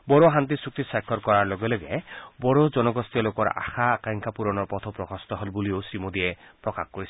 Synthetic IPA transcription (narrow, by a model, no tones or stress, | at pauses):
bɔɾoɦant̪̬isuk̚t̪isakʰːɔɾkɔɾaɾloɡeleɡḛbɔɾod͡ʒɔnɔɡɔst̪iɔlokɔɾa̰kʰakajŋkʰapuɾɔnɔɾpɔt̪ʰɔpɾɔkɔst̪ɔɦɔlbuliosɾimod̪iepɾɔkakʰkɔɾisʰi̥